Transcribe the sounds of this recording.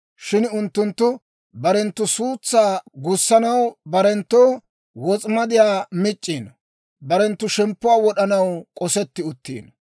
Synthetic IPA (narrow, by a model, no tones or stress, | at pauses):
ʃɪnʊnt̪ːʊnt̪ːʊ | bɐɾɛnt̪ːʊsuːt͡sːaːɡʊsːɐnɐwbɐɾɛnt̪ːoː | wɔt͡sʼmɐd̪ɪjaːmɪt͡ʃʼːiːn | bɐɾɛnt̪ːʊʃɛmpːʊwaːwɔɗɐnɐwkʼɔsɛt̪ːɪʊt̪ːḭːn